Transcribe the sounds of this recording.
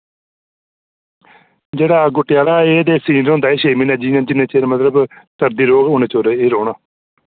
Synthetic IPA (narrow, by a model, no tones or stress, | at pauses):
d͡ʒeːɽaːɡʊʈːɪjaːlaːeːd̪eːsiːnəɾɦõnd̪aːeːʃeːmiːnaːd͡ʒiːnãːd͡ʒɪnẽːt͡ʃeːmət̪ləbt̪əɾd̪iːɾoːɡʊːnẽːt͡ʃoɾeeːɾoːɽaː